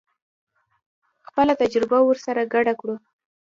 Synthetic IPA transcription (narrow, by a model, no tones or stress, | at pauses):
xpəlat̪ad͡ʒɾɪbawəɾsaɾaɡaɖakɽu